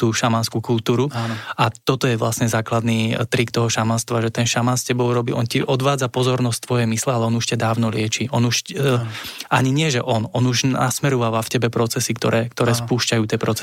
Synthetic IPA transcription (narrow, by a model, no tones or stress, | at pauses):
t̪uːʃamanskukulˠt̪uːɾuʔat̪ɔt̪ɔjɛʋlasɲɛzaːklad̪nit̪ɾikt̪ɔɦɔʃamanst̪ʋaʒɛt̪ɛnʃamaːnscɛbɔʊɾɔbḭʔɔnciʔɔd̪ʋaːd͡zapɔzɔɾnɔst̪ʋɔjɛmislɛalɛɔnuʃcad̪aːʊnɔlɪɛt͡ʃiʔɔnuʃ | ʔaɲiɲɪɛʒɛʔɔnɔnuʒnasmɛɾɔʋaːʋafcɛbɛpɾɔt͡sɛsikt̪ɔɾɛːkt̪ɔɾɛːspuːʃcajuːt̪ɪɛpɾɔt͡sɛ